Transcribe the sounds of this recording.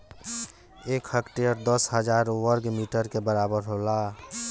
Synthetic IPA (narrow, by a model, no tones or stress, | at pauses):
eːkhəkʈejəɾd̪əsɦəd͡ʒaːɾwəɾɡmiːʈəɾkebəɾaːbəɾɦola